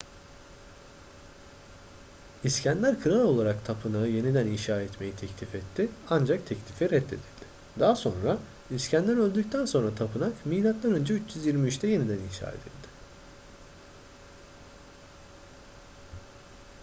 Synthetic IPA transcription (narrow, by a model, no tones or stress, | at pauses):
iscænlʲæɾkʰɯɾalˠo̞lˠaɾakt̪ʰapʰɯnaɯje̞nid̪æninʃaːɛt̪me̞jit̪ʰɛclʲifɛt̪ʰːɪand͡ʒak̚t̪ʰɛclʲifiɾɛt̪ʰːe̞̰d̪ilʲd̪̥ɪ̥ | d̪aːaso̞nɾa | iscʰænlʲæɾø̞lʲd̪yc̚t̪ʰænso̞nɾat̪ʰapɯnakmilʲat̪lˠaɾønd͡ʒɛyt͡ʃjyzjiɾmiyt͡ʃt̪ʰɛje̞nid̪æninʃa̰ːḛd̪ḭlʲd̪̥ɪ̥